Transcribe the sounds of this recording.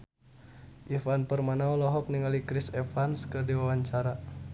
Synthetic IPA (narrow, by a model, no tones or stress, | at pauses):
ʔifanpərmanaulɔɦɔk̚niŋalikɾisɛfanskərdiwawaɲt͡ʃaɾa